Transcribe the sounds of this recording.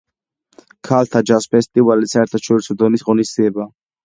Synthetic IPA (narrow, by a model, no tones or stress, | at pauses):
kʰalt̪ʰad͡ʒaspʰɛst̪ʼivalisaɛɾt̪ʰaʃɔɾisɔd̪ɔnisʁɔnisd̪ziɛba